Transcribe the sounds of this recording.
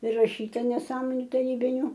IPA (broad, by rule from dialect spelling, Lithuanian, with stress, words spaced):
pʲrʲɪrɐˈʃʲiːtɐ nʲɛˈsɑːmoːnʲʊ tɐˈrʲiːbʲɪnʲʊ